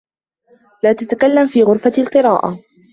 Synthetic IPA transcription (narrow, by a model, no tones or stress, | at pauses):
laːt̪at̪akalːamfiːɣʊɾfalqɨɾaːʔa̰